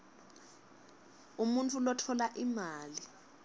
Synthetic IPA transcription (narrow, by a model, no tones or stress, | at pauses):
umuntʼulɔtʰɔlaʔimaːli